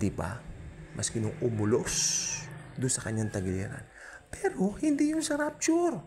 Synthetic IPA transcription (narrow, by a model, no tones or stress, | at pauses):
d̪ɪba̰mʔɐskɪnʊŋʊmʊlos | d̪ʊnsɐkɐɲːaŋt̪ɐɡɪlɛːɾa̰n | pɛːɾo̞hɪnd̪ijʊnsɐɾap̚t͡ʃʊɾ